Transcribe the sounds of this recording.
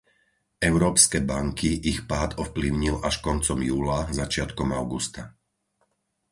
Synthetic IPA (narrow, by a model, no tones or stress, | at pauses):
ɛʊɾɔːpskɛːbaŋkiʔixpaːd̪ɔfpliʊɲilʔaʃkɔnt͡sɔmjuːlazat͡ʃɪat̪kɔmaʊɡust̪a